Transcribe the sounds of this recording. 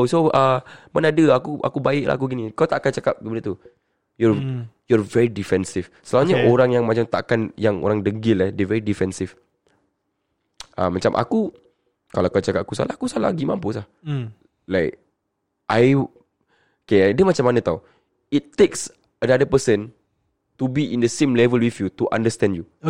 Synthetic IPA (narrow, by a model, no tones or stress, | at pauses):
osoəmanaadəakuʔa̰kubaɪʔla̰a̰kuɡinikawt̪aʔakant͡ʃakap̚kəpadət̪u | jɔjɔɹvɛɹidifɛnsif | səlaaɲaʔoɾaŋjaŋmat͡ʃamt̪aʔkanjaŋo̰ɾaŋdəɡɪlɛdəvɛɹidifɛnsif | a̰mat͡ʃamʔa̰ku | kalakat͡ʃakap̚akusa̰lahakusala̰ɡimãmpusah | laɪk̚ | ʔaj | okeladiəmat͡ʃamːanə̃t̪au | itt̪eks | ənadəpəsən | t̪ubiʔĩndəsẽmlɛvəlwifjut̪uʔã̰ndəst̪ɛ̃ndju